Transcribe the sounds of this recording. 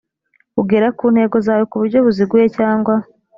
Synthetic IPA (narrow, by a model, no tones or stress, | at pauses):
uɡeɾakuːn̥he̞ɡo̞zaːwo̞kuβuɾɟo̞βuziɡuje̞caːŋɡwa